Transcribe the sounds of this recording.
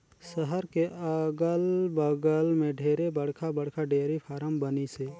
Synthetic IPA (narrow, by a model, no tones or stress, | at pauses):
səɦəɾkeəɡəlbəɡəlmẽɖʱeːɾebəɽ̤kʰabəɽ̤kʰaɖeːɾipʰaːɾəmbəniseː